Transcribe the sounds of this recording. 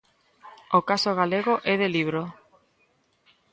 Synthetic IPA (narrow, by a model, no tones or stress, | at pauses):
okasoɣ̞aleɣoʔɛðeliβ̞ɾo